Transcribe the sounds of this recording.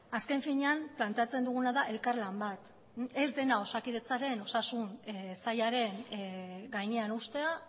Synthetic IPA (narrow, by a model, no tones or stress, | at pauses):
aske̞ɱfiɲe̞amplant̪e̞at͡se̞nd̪uɣ̞unaðaʔe̞lkarlambat̪ | e̞zd̪e̞nao̞sakiðe̞t͡saɾe̞no̞sasuŋsajaɾe̞n | ɡajɲe̞anust̪e̞a